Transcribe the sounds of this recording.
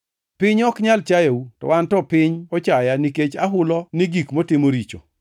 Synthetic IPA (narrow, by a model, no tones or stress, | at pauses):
pɪɲɔkɲalt͡ʃajautɔ̰wantɔpɪɲɔt͡ʃajaniket͡ʃaɦʊlɔniɡikmotɪmoɾit͡ʃo̰